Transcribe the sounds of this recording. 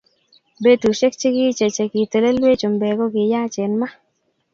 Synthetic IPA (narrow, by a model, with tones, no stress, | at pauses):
be˦t̪u˨ʃe˦k̚t͡ʃi˦ɡɪ˦t͡ʃe˨t͡ʃe˨ɡɪ˨t̪e˨le˦lwe˦t͡ʃo˨mbe˨ɡo˦ɡɪ˨ja˦t͡ʃe˨nma˦